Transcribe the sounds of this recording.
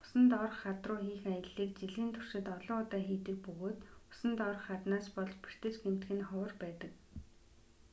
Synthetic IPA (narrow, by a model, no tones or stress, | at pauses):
ʊ̥sə̆nt̪ɔrχːat̪rʊːxiːxajə̆ɮːiːk̚t͡ɕiɮiːnt̪ʰʊ̥r̥ʃɪ̆t̪ɔɮɔːʊt̪aːxiːt̪ɘ̆k̚pɵɣoːt̪ʊ̥sə̆nt̪ɔrχːat̪naːspɔɮt͡ɕpi̥r̥t̪ĕt͡ɕɡem̥t̪ɡɘ̆nχɔwə̆rpæːt̪ə̆k